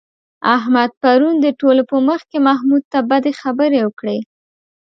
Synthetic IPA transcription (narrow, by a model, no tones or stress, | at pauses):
aɦmad̪̚paɾund̪əʈolopəməxkemaɦmud̪̚t̪abad̪exabəɾewəkɽe